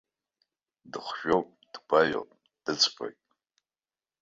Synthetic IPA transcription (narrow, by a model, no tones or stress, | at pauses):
dɨχʷʒᶣopʼd̥ɡʷʰajo̰pʼ | d̥ɨt͡sʰʼpʰʼa̰kʼ